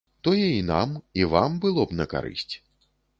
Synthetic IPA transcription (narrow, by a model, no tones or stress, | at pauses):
t̪ɔjɛina̰mivambɨlˠɔbnɐka̰ɾɨ̰sʲt͡sʲ